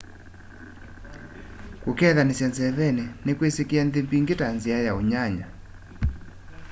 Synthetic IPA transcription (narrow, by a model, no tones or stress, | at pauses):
kokɛðanesjanzɛðɛnenekwesekeɛnðembiŋɡetanziajaoɲaɲa